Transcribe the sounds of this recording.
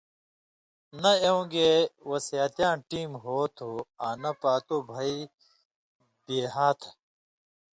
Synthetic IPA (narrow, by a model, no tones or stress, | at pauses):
nɐeũɡewɐsjat̪jãːʈiːmɦoːt̪ʰoaːnɐpaːt̪oːbʱɐi | b̥eːɦaːt̪ʰ